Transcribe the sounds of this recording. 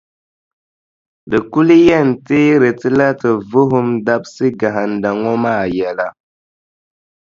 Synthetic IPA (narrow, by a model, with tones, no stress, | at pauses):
dɨ˨ku˦li˦jɛ˦˨n˨ti˦ɾe˨ti˦la˦tə˨vu˦ɦu˦mda˦p̚si˦ɡa˨ɦa˨n˨da˨ŋɔ˦ma˦˨jɛ˨la˨